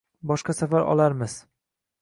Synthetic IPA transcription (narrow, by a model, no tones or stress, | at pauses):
bɒʃqɑsafaɾʔɒ̰laɾmɪz̥